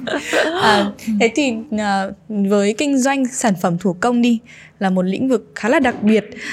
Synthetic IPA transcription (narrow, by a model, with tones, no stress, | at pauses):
ʔəː˨˩t̪ʰe˨˦jt̪ʰi˨˩ʔəː˨˩vəː˨˦jkï˧ŋ̟zwa˧jŋ̟saː˧˩nfə˧˩mt̪ʰu˧˩kə˧wŋ͡mɗi˧ | laː˨˩mo˨˩t̚lḭ̈˧˥ŋ̟vɨ˨˩k̚xaː˨˦laː˨˩ɗa˨˩k̚ɓi˨˩ət̚